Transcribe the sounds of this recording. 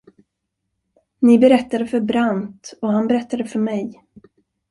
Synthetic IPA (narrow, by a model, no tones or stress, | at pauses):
nɪbɛɾɛt̪ːad̪əfœɾbɾant̪ɔɦanbɛɾɛt̪ːad̪əfœɾmɛj